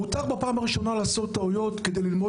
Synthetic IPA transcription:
ut̪aχbapaːmaʁiʃo̞nalaːso̞t̪ːaojo̞t̪ked̪ejlilmo

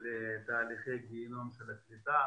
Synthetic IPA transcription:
let̪aːliχejɡinonʃelaklit̪a

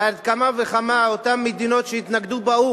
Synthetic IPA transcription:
ad̪kamaveχamaot̪amːed̪ino̞t̪ʃeit̪naɡd̪ubau

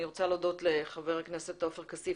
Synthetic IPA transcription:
iʁot͡saleodo̞tle̞χaveʁaknese̞t̪ofeʁkasi

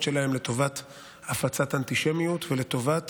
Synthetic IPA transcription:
t͡ʃʃe̞lahe̞mle̞to̞vat | afat͡satant̪iʃe̞mijutvele̞to̞vat

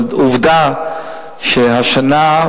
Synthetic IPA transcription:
uvd̪a | ʃeɦaʃana

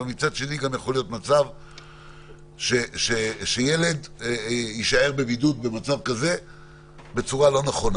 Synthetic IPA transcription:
emit͡sad̪ʃe̞niɡamjaχo̞lijo̞t̪mat͡sav | ʃeʃeʃeje̞le̞d̪ | iʃae̞ʁbe̞vidut̚be̞mat͡savkaze̞ | be̞t͡suʁalo̞neχo̞n

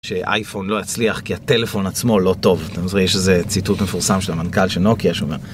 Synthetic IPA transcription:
ʃe̞ʔa̰jfo̞nlo̞jat͡sliaχkiate̞le̞fo̞nat͡smo̞lo̞to̞vt̪amzʁijeʃezet͡situtmefuʁsamʃelamankalʃenokiaʃeomeʁ

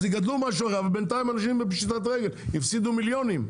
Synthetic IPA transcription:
zɪɡadlumaʃ̬ɔʁavbɛnt̪aɪmanaʃ̬imbɪpʃit̪at̪ʁɛɡəlifsid̪umiljɔnim

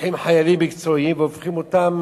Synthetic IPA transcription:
ħimħajalimːikt͡so̞imveofχimot̪am

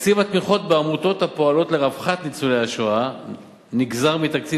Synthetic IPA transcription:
t͡sivat̪miχo̞t̪̚beamut̪o̞t̪hapo̞alo̞t̪leʁavχat̪nit͡suleaʃoa | niɡzaʁmit̪akt͡si

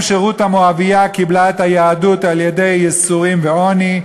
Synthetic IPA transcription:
ʃeʁut̪hamoavijakiblaethajaːdutaljede̞jːɛsuʁimveo̞ni

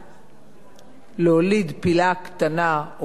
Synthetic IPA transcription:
leolid̪pilakt̪ana

